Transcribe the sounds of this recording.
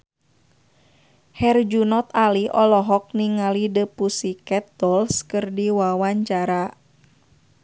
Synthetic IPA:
hɛrd͡ʒunɔt̪aliʔɔlɔɦɔk̚niŋalidəpusikɛt̪̚ːɔlskərdiwawaɲt͡ʃaɾa

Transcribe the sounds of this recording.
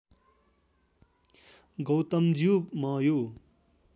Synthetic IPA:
ɡʌwt̪ʌmd͡zubmʌjo

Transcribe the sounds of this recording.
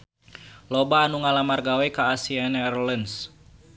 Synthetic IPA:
lɔbaːnuŋalamarɡawɛkaːsianɛɛrlɛns

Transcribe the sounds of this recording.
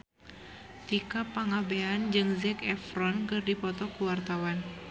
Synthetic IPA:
t̪ikapaŋabeand͡ʒɨŋzɛkɛfɾɔnkɨrdipɔt̪ɔkuwart̪awan

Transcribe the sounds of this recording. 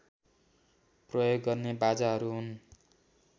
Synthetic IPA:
prʌjoɡːʌrnebad͡zaɦʌɾuɦun

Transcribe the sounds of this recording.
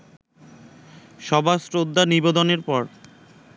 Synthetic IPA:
ʃɔbʱasɾod̪ʱːanibed̪oneɾpɔɾ

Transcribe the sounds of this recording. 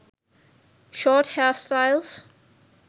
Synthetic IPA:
ʃɔːthɛstaɪlˠs

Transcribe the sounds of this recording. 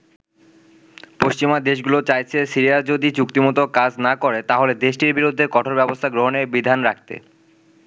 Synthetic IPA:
poʃt͡ɕimad̪eʃ̬ɡulot͡ɕajt͡ɕʰesiɾijaɾd͡ʑod̪it͡ɕuk̚t̪imot̪okad͡ʑnakoɾet̪aɦoled̪eʃʈiɾbiɾud̪ʱːekɔʈʰoɾbɛbost̪ʰaɡɾoɦonebid̪ʱanɾak̚ʰt̪ḛ

